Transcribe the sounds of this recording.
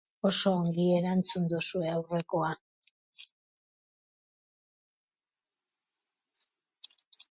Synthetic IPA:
o̞so̞ːŋɡie̞ɾant͡sund̪usue̞awre̞ko̞a

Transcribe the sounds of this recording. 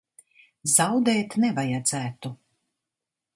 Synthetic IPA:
zawd̪ɛːt̪nɛvajad̪z̥æːt̪u

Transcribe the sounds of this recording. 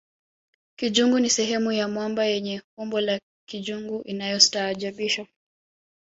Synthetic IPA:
kiʄuŋɡunisɛɦɛmujamwambajɛɲɛkumbɔla | kiʄuŋɡuʔinajɔsi̥taːʄaɓiʃa

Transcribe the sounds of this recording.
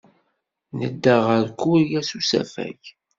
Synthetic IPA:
nəd̪ːəʁəɾkːuijæsusæ̰fæ̰ç

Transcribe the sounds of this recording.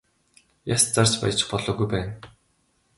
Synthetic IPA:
jast͡sart͡ɕpa̰j̆t͡ɕɪ̆χpɔɮɔːɣujpæːn

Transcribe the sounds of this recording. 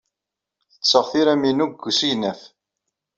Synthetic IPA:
θə̥t͡sːəʁθiɾæminuɡʷːsijnæf

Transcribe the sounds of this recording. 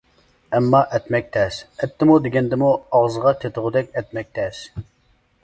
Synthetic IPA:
ɛmːɑʔɛt̪mɛk̚ʲt̪ʰɛsɛt̪ʰːɪmud̪eɡʲɛnd̪ɪmuɑʁzəʁɑt̪ʰet̪ʰʊʁʊd̪ɛkʲɛt̪̚mɛk̚ʲt̪ʰɛs

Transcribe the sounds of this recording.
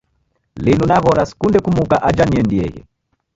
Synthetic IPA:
linunaɣɔɾasi̥kundɛkumukaʔad͡ʒaniɛndiɛ̰ɣɛ̰

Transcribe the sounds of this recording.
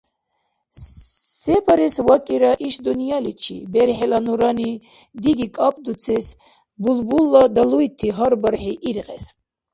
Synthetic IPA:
sɛpʰaɾɛsvakʼiɾaʔiʃd̪unijalit͡ʃʰḭbɛɾħɛlanuɾani | d̪iɡikʼapʼd̪ut͡sʰɛs | bulbulːad̪aluit̪ʰːiɦaɾbəɾħiʔːɾqʼɛs

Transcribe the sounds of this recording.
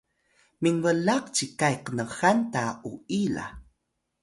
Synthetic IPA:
miŋwəlaqt͡ʃikajqənəxantauila̰

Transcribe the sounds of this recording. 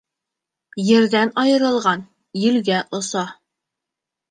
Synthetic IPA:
jɘ̆ɾd̪ænɒjɤ̆ɾɤ̆lˠʁɑn | jɘ̆lɡæʔŏsɑ

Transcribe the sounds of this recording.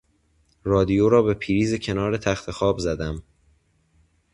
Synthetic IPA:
rɒːd̪ijoːɾɒːbe̞pʰiːɾiːzecʰe̞nɒːɾe̞t̪ʰæxt̪ʰe̞xɒːbzæd̪æm

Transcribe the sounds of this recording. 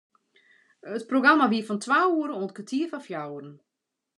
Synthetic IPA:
ətproɡramaʋiəfɔntʰwaːuəɾənoənt̚kətʰiəfafjawərən̩

